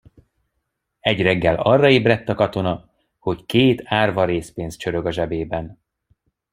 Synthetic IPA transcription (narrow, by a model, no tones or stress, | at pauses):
ɛɟrɛɡːɛlɒrːɒeːbrɛt̪ːɒkɒt̪o̞nɒ | ho̞ckeːt̪ʰaːrvɒɾeːspeːnst͡ʃøɾø̞ɡɒʒɛbeːbɛn